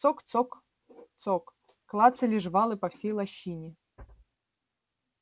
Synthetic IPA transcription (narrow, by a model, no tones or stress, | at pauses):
sokt̪sok | t̪sok | klˠat̪sɨlʲɪʐvalˠɨpɐfsʲejlˠɐɕːinʲɪ